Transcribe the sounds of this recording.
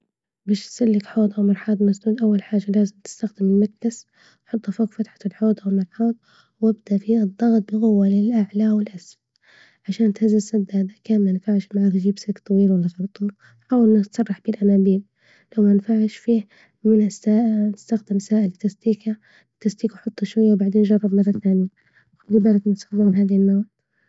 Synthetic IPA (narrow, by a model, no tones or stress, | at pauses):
baːʃsɪlːɪkħoːd̪ˤʔawmɑɾˤħɑːd̪ˤnasd̪uːd̪ʔawːalħaːʒːalaːzɪmt̪ɪ̥st̪axd̪ɪmɪmak̪las | nħʊt̪ˤːafoːkfat̪ħḁlħoːd̪ˤawɪlmɑɾˤħɑːd̪̚ˤ | wɪb̚d̪aʔfiɨd̪ˤːɑɣt̪̚ˤbɪɣʊwːalɪlʔaʕlawɪlʔasf | ʕaʃaːnt̪hazːɪsad̪ːaːd̪akaːmnanfaʕɪʃmaʕaːt̪ʒiːbsɪkt̪ˤːɑwiːlwalːaxɪlt̪ˤuːl | ħaːwɪlnɪt̪sˤɑrˤːɑħb̥ɪlʔanaːbiːl | lawmanfaʕɪʃfiːh | mɪnasaːnɪst̪axd̪ɪmsaːʔɪlt̪ːast̪iːka | t̪ːast̪iːkwħʊt̪ˤːʃwajːawbaʕd̪eːnd͡ʒɑrˤːɑbmɑrˤːɑθaːnɪja | d̪iːbaːɾaknsɑlːɪmɪnɦaːðilnaːʕ